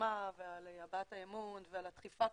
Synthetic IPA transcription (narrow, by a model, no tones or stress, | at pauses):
avealjabatajemunvealat̪χifa